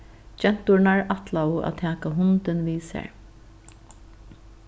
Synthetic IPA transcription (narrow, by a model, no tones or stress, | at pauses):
d͡ʒɛn̥t̪ʊɹnaɹat̪laʊa̰t̪ʰæːkaɦʊnt̪ɪnʋiːsɛ̰ɹ